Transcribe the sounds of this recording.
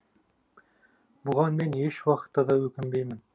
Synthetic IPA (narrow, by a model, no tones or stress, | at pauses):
buʁɑnminjɘʃwɑqɤ̥̆t̪ːɑðɑʉkɘ̆mbɘjmɘn